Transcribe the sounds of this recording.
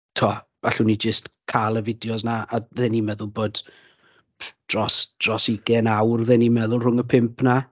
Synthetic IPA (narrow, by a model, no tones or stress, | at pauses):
tʰuɔv̥aɬunid͡ʒəstkʰalˠəvɪdjɔsnaaðɛːnimɛðʊlˠboːd̥ | d̥rɔsd̥rɔsiɡɛnawrðɛnimɛðʊlˠr̥ʊŋəpʰɪmpʰna